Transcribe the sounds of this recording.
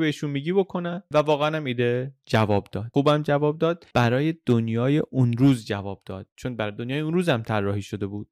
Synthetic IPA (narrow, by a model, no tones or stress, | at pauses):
beiʃunmiːɟiːbo̞kʰo̞nænvævɒːɣeænæmiːd̪ed͡ʒævɒːbd̪ɒːd̪̥̚xuːbæmd͡ʒævɒːb̚d̪ɒːd̪̥̚b̥æɾɒːje̞d̪̥onjɒːjeʔunɾuːzd͡ʒævɒːb̚d̪̥ɒːd̪̥̚t͡ʃʰonbæɾɒːjed̪onjɒːjeunɾuːzæmt̪ʰærːɒːhiːʃo̞d̪e̞buːd̥̪̚